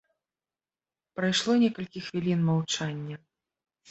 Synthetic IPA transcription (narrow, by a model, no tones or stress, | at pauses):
pɾajʂlˠɔnʲɛkɐlʲkʲixvʲilʲinmawt͡ʂanʲːɐ